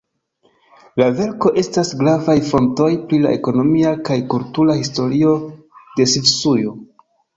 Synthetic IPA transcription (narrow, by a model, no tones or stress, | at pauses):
lave̞ɾko̞ʔe̞stasɡɾavajfo̞nto̞jpɾila̰ʔe̞ko̞no̞miakajkultuɾahisto̞ɾio̞ | de̞sivsujo